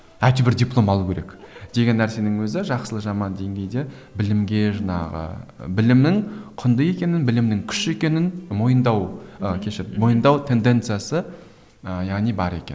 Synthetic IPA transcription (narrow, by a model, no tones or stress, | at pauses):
æt̪ubɪɾd̪ʲiplˠo̞mɑlˠukʲʰe̞ɾekd̪̥e̞ɡʲe̞nːæɾse̞nɪŋwɵzɪʒɑqsəlˠəʒɑmɑnd̪e̞ŋɡʲe̞jd̪e̞ | bɪlɪmɡʲe̞ʒɑɴɑ̰ʁə̰bɪlɪmnɪŋqʰʊnd̪əje̞kʲe̞nɪnbɪlɪmnɪŋkʲʰʏ̥ʃe̞kʲe̞nɪnmo̞jənd̪ɑwəkʲʰe̞ʃɪmo̞jənd̪ɑwt̪ʰe̞nd̪e̞nt̪sɨjasə | jɑʁnijbɑɾe̞̰kʲḛn